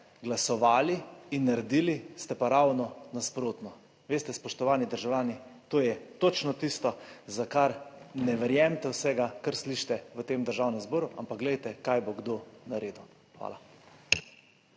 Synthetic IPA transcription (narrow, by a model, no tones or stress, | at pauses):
ɡlasɔʋaːliːnːaɾɛd̪iːlist̪ɛpaɾawnɔnaspɾoːt̪nɔ | ʋeːst̪ɛspɔʃt̪ɔʋaːnid̪əɾʒawlʲaːnit̪oːjɛt̪ot͡ʃnɔt̪ist̪ɔzakaɾnɛʋɛɾjɛmt̪ɛwsɛɡakaɾsliʃt̪ɛʋət̪emd̪əɾʒaːwnɛmzboːɾuʔampak̚ɡlɛjt̪ɛkajboɡd̪onaɾeːd̪u | xʋa̰ːla